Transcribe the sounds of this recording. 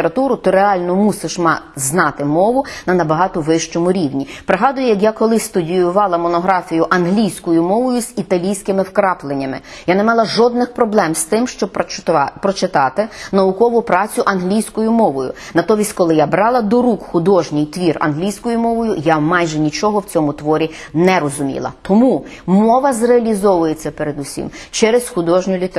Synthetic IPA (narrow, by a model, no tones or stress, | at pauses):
eɾɐt̪uɾʊt̪ɪɾeɑlʲnɔmusɪʃmɑznɑt̪ɪmɔʋʊnɐnɐbɐɦɑt̪ɔʋɪʃt͡ʃɔmʊɾʲiwnʲipɾɪɦɑd̪ʊjʊjɐkjakɔlˠɪst̪ʊdʲijʊʋɑlˠɐmɔnɔɦɾɑfʲijʊʔɐnɦlʲijsʲkɔjʊmɔʋɔjʊz̥it̪ɐlʲijsʲkɪmɪwkɾɑplˠenʲːɐmɪ̰janɛmɑlˠɑʒɔd̪̚nɪxpɾɔblˠɛmst̪ɪmʃt͡ʃɔbpɾɔt͡ʃɪt̪ɑt̪ɪnɐʊkɔʋʊpɾɑt͡sʲʊʔɐnɦlʲijsʲkɔjʊmɔʋɔjʊ̰nɐt̪ɔʋʲisʲtʲkɔlˠɪjabɾɑlˠɐd̪ɔɾukxʊd̪ɔʒnʲijt̪ʋʲirɐ̰nɦlʲijsʲkɔjʊmɔʋɔjʊjamɑjʒɛnʲit͡ʃɔɦɔwt͡sʲɔmʊt̪ʋɔɾʲi | nɛɾɔzʊmʲḭlˠɐ̰t̪ɔmu | mɔʋɐzreɐlʲizɔʋʊjet͡sʲːɐpeɾed̪usʲḭmt͡ʃɛɾesxʊd̪ɔʒnʲʊlʲit̪